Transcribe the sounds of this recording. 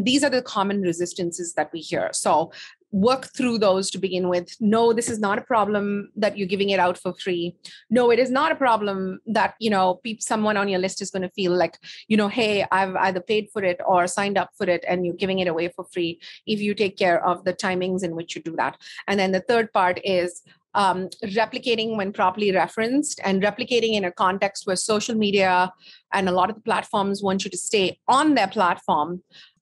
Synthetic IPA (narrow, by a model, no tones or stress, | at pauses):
d̪iːzə˞ðəkʰɑmə̃nɹɪzɪstɨ̃nsɨzðɨt̚wihḭəɹsoʊ | wɜ˞kt̪ʰɾuðoʊz̥tɨbɨɡɪ̃nwɪd̪noʊd̪ɪsɨznəɾəpʰɾ̥ɑblə̃mðɨtjəɡɪvɪ̃ŋɪɾaʊtfə˞fɹiːnoʊɪɾɨznəɾəpɹ̥ɑblə̃mðæt̚jɨñoʊpisʌ̃mwʌ̃ñə̃njəlɪstɨzɡʌ̃nɨfiːllaɪkjɨñoʊɦeɪa̰ɪva̰ɪðə˞peɪd̥fɔɾɪtəɾsãɪ̃nɖʌpfɔɾɪʈɨ̃njəːɡɪvɪ̃ŋɪɾəweɪfəɾfɾiːɪfjuʈeːkʰːɛːɹʔʌvd̪ətʰãɪ̃mɪ̃ŋzɨ̃nwɪt͡ʃjudɨðæ̰tɨ̃nd̪ɛ̃nd̪ət̪ʰəɾd̚paɾʈɪz̥ | ʔʌɾɛplɪkeɪɾɪ̃ŋwɛ̃npʰɾɔpəɾliɾɛfɹə̃nstɨ̰̃nɾɛplɨkeɪɾɪ̃ŋɪ̃nəkɔ̃nʈɛkst̚wɛsoʊʃəlˠmiːɾiəʔɨ̃nəlɔɾʌvd̪əplætfɔːɾmzwɔ̃ːnt͡ʃjuʈusteːɔ̃nd̪əpʰlætfɔːɹm